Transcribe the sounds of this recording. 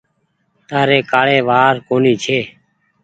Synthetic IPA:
t̪aːɾeːkaːɭeːʋaːɾkoːniːt͡ʃʰeː

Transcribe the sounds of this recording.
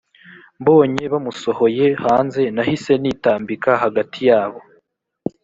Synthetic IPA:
mbo̞ːɲe̞βamuso̞ho̞je̞haːnze̞nahise̞niːtaːmbikaɦaɡatʰijaːβo̞

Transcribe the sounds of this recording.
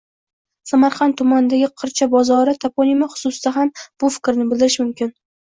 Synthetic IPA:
samaɾχɑnt̪ʰːʊmanɪd̪aɡʲɪqʰɨɾt͡ʃʰabɒzɒɾɪt̪ʰapʰonimaχʊ̥sʊsd̪aɦamb̥ʊfɪ̥kʲɾnɪbɪlˠd̪ɪɾɪʃmʊmkʲɪn

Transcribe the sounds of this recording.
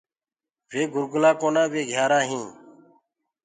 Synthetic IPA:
ʋeːɡʱʊɾɡʊlaːkoːnãːʋeːɡʱjaːɾãːɦĩː

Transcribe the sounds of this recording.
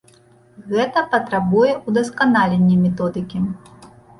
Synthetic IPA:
ɣɛt̪ɐpɐt̪ɾabujɛʔud̪ɐskanalʲenʲːimʲɛt̪ɔd̪ɨkʲi

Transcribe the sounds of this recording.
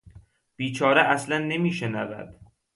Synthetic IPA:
b̥iːt͡ʃʰɒːɾeʔæslænːemiːʃenævæ̰d̪̥

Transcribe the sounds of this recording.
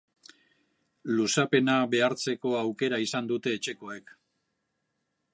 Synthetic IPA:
lusape̞naβe̞aɾt͡se̞ko̞awke̞ɾaisand̪ut̪e̞ːt͡ʃe̞ko̞e̞k

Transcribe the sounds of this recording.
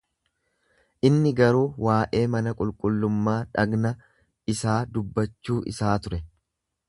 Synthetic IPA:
ʔɪnːɪɡɐɾuːwaːʔe̞ːmɐnɐkʼʊlkʼʊlːʊmːaːᶑɐɡnɐ | ɪsaːd̪ʊbːɐt͡ʃːuːʔɪ̰saːt̪ʊɾɛ

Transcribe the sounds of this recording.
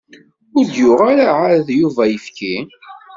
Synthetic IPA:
ʊɾd̪jʊʁaɾaʕaɾðjuvæjəfki

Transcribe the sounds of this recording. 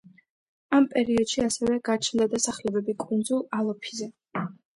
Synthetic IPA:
ampʼɛɾiɔd̪̥ʃiasɛvɛɡ̥aɾt͡ʃʰnd̪ad̪asaχlɛbɛbikʼund̪zulˠalˠɔpʰizɛ

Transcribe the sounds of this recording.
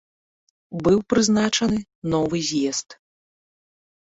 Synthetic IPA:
bɨwpɾɨznat͡ʂɐnɨ | nɔvɨzʲjɛst̪

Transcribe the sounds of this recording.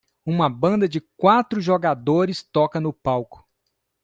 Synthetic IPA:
ũmɐbɐ̃nd̪ɐd͡ʒɪkwat̪ɾʊʒoɡad̪oɾɪst̪ɔkɐnʊpawkʊ̥

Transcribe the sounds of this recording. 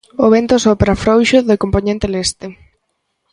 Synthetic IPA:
oβent̪osopɾafɾowʃoðɪkompoɲẽnt̪elest̪ɪ

